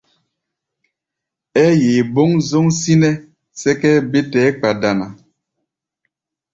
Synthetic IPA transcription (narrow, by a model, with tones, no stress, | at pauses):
ɛ˦je˨bo˦ŋzo˦ŋsi˦nɛ˦ | sɛ˦kɛ˦be˦tɛː˨˦k͡pa˨da˨na˨